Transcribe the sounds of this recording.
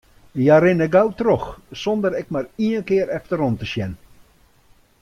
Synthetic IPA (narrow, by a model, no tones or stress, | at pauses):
jaɾɪnəɡawtrɔxsɔndəɾɛk̚mariənkɪəɾɛftəɾɔntəsjɛn